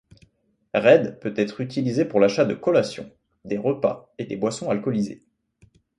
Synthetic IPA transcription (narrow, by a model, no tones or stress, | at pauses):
ʁɛd̪pøt̪ɛt̪χyt̪ilizepuʁlaʃad̪əkɔlasjɔ̰̃ | d̪eʁəpa̰ed̪ebwasɔ̃alkɔlizḛ